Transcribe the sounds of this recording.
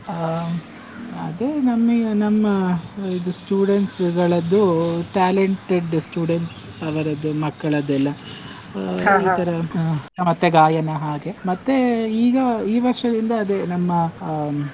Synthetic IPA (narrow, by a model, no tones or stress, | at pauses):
ɐ̰d̪enɐmːɐnɐmːɐid̪usʈjuːɽeɳʈsɡɐɭɐd̪ːuʈaːleɳʈeɖsʈjuːɽeɳʈs | ɐʋɐɾɐd̪umɐkːɐɭɐd̪ɛlːɐ | iːt̪ʰɐɾɐmɐt̪ːeɡaːjɐnɐɦaːɡe̞mɐt̪ːeiːɡɐiːʋɐɾʂɐd̪ind̪ɐːd̪e̞nɐmːɐ